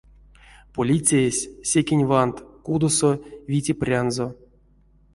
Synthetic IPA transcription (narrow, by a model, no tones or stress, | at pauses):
polʲit͡sʲejesʲːekʲenʲvant̪kud̪osovʲitʲeprʲanzo